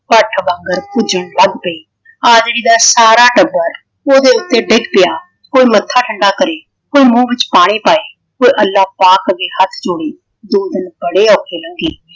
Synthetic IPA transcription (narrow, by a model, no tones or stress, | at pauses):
pəʈʰbə̃ŋɡəɾpʊd͡ʒəɳləɡpəiː | aːd͡ʒɾiːd̪aːsaːɾaːʈəbəɾ | oːd̪eːʊt̪ːeːɖɪɡpɪjaː | koːiːmət̪ʰːaːʈʰəɳɖaːkəɾeː | koːiːmũːʋɪt͡ʃpaːɽ̃eːpaːeː | koːiʔəlːaːpaːkəɡeːhət̪ʰd͡ʒʊːɽeː | d̪oːd̪ɪnbəɽeːɔːkʰeːləŋɡeː